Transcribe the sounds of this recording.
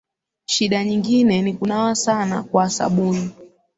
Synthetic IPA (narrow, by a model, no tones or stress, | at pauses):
ʃiɗaɲiŋɡinɛnikunawasana̰kwaːsa̰ɓuni